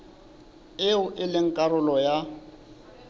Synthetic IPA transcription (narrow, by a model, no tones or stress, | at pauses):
ɪʊʔɪlɪŋ̩kʼaɾʊlɔja